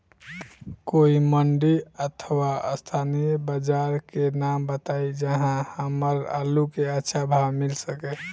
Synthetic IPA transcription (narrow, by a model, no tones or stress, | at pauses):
koiməɳɖiət̪ʰwaə̰st̪ʰanijəbəd͡ʒaɾkenambət̪aid͡ʒəɦãhəməɾa̰lukeətːʃʰabʱawmilsəkɛ